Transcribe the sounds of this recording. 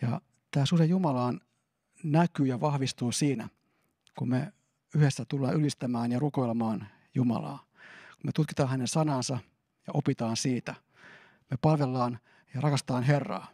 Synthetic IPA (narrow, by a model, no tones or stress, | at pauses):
jɑ̰ | t̪æːsusejumɑlɑːn | nækyːjɑʋɑhʋist̪uːsiːnæ̰ | kumme | yhesːæt̪ulːɑ̰ːnylist̪æmæːnjɑruko̞jlemɑːn | jumɑ̰lɑ̰ː | kumet̪ut̪̚kit̪ɑːnhænensɑnɑːnsɑ | jɑʔopit̪ɑːnsiːt̪æ | mepɑlʋelːɑːn | jɑrɑkɑst̪ɑːnɦerːɑ̰ː